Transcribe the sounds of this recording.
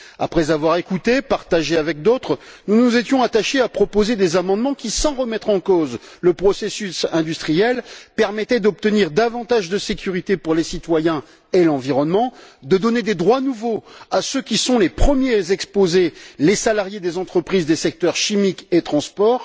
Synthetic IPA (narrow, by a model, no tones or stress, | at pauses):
apχɛzavwaʁekut̪epaʁt̪aʒeavɛk̚d̪ot̪χnunuzet̪jɔ̃at̪aʃeapχɔpozed̪ezamɑ̃d̪mɑ̃kʲisɑ̃ʁəmɛt̪χɑ̃kozləpχɔsesysɛ̃d̪yst̪χijɛlpɛʁmɛt̪ɛd̪ɔp̚t̪əniʁd̪avɑ̃t̪aʒd̪əsekʲyʁit̪epuʁlesit̪wajɛ̃ | elɑ̃viʁɔnmɑ̃d̪əd̪ɔned̪ed̪ʁwanuvoasøkʲisɔ̃lepχəmjezɛkspozelesalaʁjed̪ezɑ̃t̪χəpχizd̪esɛk̚t̪œʁʃimiket̪χɑ̃spɔːʁ